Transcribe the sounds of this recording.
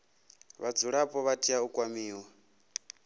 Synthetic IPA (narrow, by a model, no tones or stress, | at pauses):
βad͡zuɺapʼɔβatʼiaukʼwamiːwa